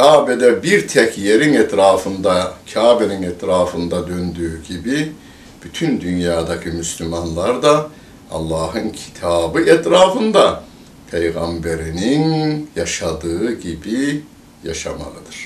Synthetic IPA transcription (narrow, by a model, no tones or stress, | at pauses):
cʰaːbɛd̪ɛbiɾt̪ʰɛcʰjeɾinɛt̪ʰɾaːfɯnd̪acʰaːbeninɛt̪ʰɾaːfɯnd̪ad̪ønd̪yːɟibi | b̥yt̪ʰynd̪ynjaːd̪acʰɯmyslʲymanlˠaɾd̪a | ɑ̰lˠːɑːɦɯncʰi̥t̪ʰaːbɯʔɛt̪ɾaːfɯnd̪a | pʰejɣambeɾininjaʃad̪ɯɯɟibi | jaʃa̰ma̰lˠɯd̪ɯɾ̥